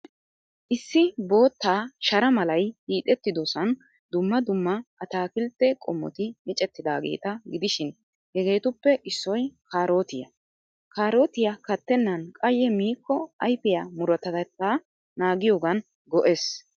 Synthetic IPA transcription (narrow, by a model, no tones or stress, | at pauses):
ʔɪsːɪbo̞ːt̪ːaːʃɐɾɐmɐlɐjhiːt̪ʼɛt̪ːɪd̪ɔsɐn | d̪ʊmːɐd̪ʊmːɐʔɐt̪aːkɪlt̪ːɛkʼɔmːɔ̰t̪ɪmɪt͡ʃʼɛt̪ːɪd̪aːɡe̞̰ːt̪ɐɡɪd̪ɪʃɪn | hɛɡe̞ːt̪ʊpːɛʔɪsːɔjkaːɾo̞ːt̪ɪjɐ̰ | kaːɾo̞ːt̪ɪjɐkɐt̪ːɛnːɐnkʼɐjɛmiːkːɔɐjfɪjamʊɾɐt̪ɐt̪ɛt̪ːaː | naːɡɪjo̞ːɡɐn | ɡɔʔes